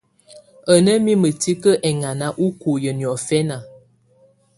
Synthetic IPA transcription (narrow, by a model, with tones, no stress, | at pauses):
ə˨nə˦mi˦mə˨ti˦kə˦ʔɛ˨ŋa˨na˦ʔu˦ku˨jə˨njɔ˨fɛ˦na˨